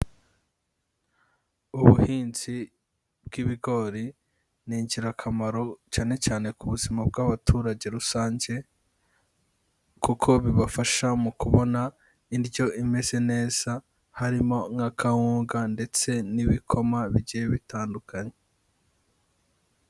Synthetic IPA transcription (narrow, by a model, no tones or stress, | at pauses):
uβuhiːnzi | bɡiβiɡo̞ɾi | niːɲɟiɾakʰamaɾo̞caːne̞caːne̞kuβuzimab̚ɡaβatʰuːɾaɟe̞ɾusaːɲɟe̞ | kukʰo̞βiβafaʃamukuβo̞na | iɾjo̞ʔime̞z̥e̞ne̞ːz̥a | haɾimo̞ŋakʰahuːŋɡande̞t͡se̞niβikʰo̞maβiɟijeβitaːndukaɲe